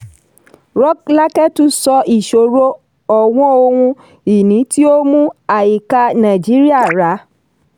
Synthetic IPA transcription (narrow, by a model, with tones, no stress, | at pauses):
ɾɔ˦kla˦kɛ˦tu˨˦sɔ˧˦i˨ʃo˨ɾo˦ | ɔ˨w̃ɔ̃˦o˧wũ˧ | i˨nĩ˨˦ti˦o˦mũ˦a˨i˨ka˧nã˨d͡ʒi˨˦ɾi˦a˦˨ɾa˨˦